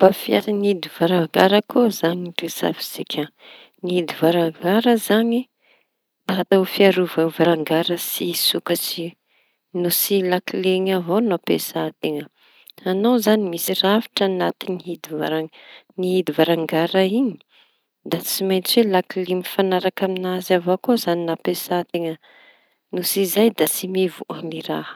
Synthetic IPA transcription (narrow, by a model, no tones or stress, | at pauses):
b̥afiaɾiniid̪iv̥aɾaŋɡaɾəkuzaɲiresa̰vi̥z̥ikʰʲə | niɦid̪ivaɾaŋɡaɾəzaɲi | d̪aat̪awfiaɾuvavaɾaŋɡaɾəsisukət͡si | nusilakileŋavonopesat̪eŋə | anowzanimisiravi̥ʈ͡ʂanat̪iniɦid̪ivaɾaniɦid̪ivaɾaŋɡaɾaiɲi̥ | d̪at͡simajnt͡swelakilimifanaɾakaminazavokozaninapesat̪eŋə | nusizajd̪at͡simivuaniɾah